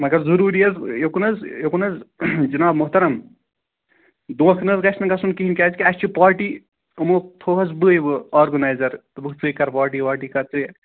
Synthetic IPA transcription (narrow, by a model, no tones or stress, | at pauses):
mɐɡɐɾzuɾuːɾiɐzjekunɐzjekunɐzd͡ʒɐnaːbmuɦt̪ɐɾɐm | d̪õːkʰnɐzkɐsnɐŋɡɐsunkiɦinkʲaːzkiɐst͡ʃipaːɾʈi | ɐmok̚t̪ʰoːɦɐzbɨebɨɔːɾɡɐnaːjzɐɾt̪ɐbɨkt͡sɨkɐɾpaːɾʈ̬iʋaːʈikɐt͡sɨ